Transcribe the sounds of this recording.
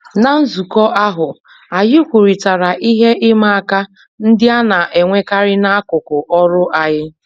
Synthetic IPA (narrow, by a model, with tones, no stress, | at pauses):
na˨n̩˦zu˨kɔ˦ʔa˦ɦʊ˨ | a˨jɪ˦kʷu˨ɾi˨ta˨ɾa˨ʔi˦ɦe˦ʔɪ˦ma˦˨a˦˨ka˦ | n̩˦dɪ˦a˦na˨ʔe˨ŋʷe˦ka˦ɾɪ˦na˦a˦kʊ˨kʊ˨ʔɔ˦ɾʊ˦ʔa˨jɪ˦